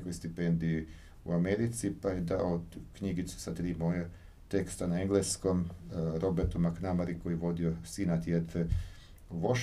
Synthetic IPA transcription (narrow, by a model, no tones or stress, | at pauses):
kojst̪ipend̪ii | ṵameɾit̪sipajed̪a̰ood̪kɲiɡit̪su̥sat̪ɾiːmoja | t̪ekst̪anaeŋɡlˠeskomɾʔo̞beɾt̪umaknamaɾiko̞jiʋo̞d̪iosiːnat̪jed̪fe | uʋoʃ